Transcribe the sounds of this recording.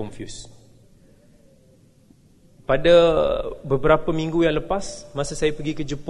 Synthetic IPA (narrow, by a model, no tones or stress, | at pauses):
ɔnfjus | pada | bəbəɾapəmĩŋɡujaŋləpasmãsasajapəɡikəd͡ʒəp